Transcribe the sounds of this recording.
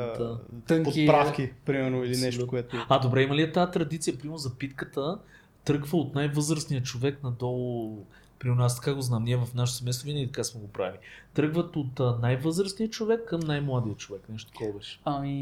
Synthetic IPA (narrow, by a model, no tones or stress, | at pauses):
d̪at̪ɤŋpokipɾafkʲipɾimɛɾnoilinɛʃt̪koɛt̪ʊad̪obɾɛiməliɛt̪at̪ɾɐd̪it̪sijəpɾimɛɾnʊzɐpit̪kət̪ə | t̪ɾɤɡvəot̪najvɤzɾəsnijət͡ʃovɛknɐd̪ɔlˠʊ | pɾimɛɾnʊast̪ɐ̥kaɡoznamniɛvɐfnaʃ̬ɛt̪sɛmɛjst̪ovinəɡʲit̪ɐkasmɛɡopɾa̰ilit̪ɾɤɡvət̪ot̪najvɤzɾəsnijət͡ʃovɛkːɐmnajmlˠad̪ijət͡ʃovɛknɛʃt̪o̥kɔbɛʃɛ̥ami